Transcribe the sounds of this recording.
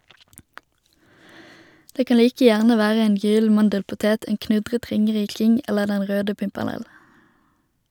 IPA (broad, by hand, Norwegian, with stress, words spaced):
ˈdeː ˈkɑn ˈliːkə ˈjæʁnə ˈʋæːʁə ˈeːn ˈjyːl̩ ˈmɑndəlpʊˌteːt ˈeːn ˈknʉdʁət ˈʁɪŋəˌʁiːkɪŋ ˈɛləʁ ˈdɛn ˈʁøːdə pɪmpɛʁˈnɛl